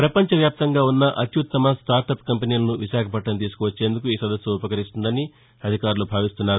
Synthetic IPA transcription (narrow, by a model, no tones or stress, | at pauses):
pɾɐpɐɲt͡ʃɐʋjaːp̚t̪ɐŋɡaːunːɐʔɐt̪jut̪ːɐmɐsʈaːɾʈɐpkɐmpiniːlɐnuʋiʃaːkʰɐpɐʈːɐnt̪iːs̬u̥kuʋɐt͡ʃːe̞ːnd̪ukuiːsɐd̪ɐsjuupɐkɐɾist̪und̪ɐni | ɐd̪ʱikaːɾulubʱaːʋist̪unːaːɾu